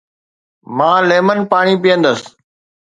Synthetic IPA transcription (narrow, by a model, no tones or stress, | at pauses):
mãːleːmənpaːɳ̃iːp̬ɪjə̃nd̪əs